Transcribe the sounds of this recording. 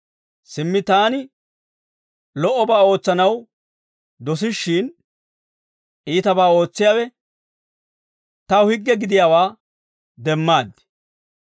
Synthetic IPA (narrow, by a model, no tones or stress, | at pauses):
sɪmːɪt̪aːnɪ | lɔʔːɔbaːo̞ːt͡sːɐnɐw | d̪ɔs̬ɪʃːɪːn | ʔiːt̪ɐbaːo̞ːt͡sːɪjaːwɛ | t̪ɐʊhɪɡːɛɡɪd̪ɪjaːwaː | d̪ɛmːaːd̪ːɪ̥